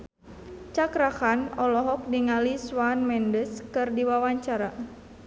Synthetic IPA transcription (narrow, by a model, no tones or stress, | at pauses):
t͡ʃakɾaxanɔlɔɦɔk̚diŋaliswanmɛndəskɨrdiwawaɲt͡ʃaɾa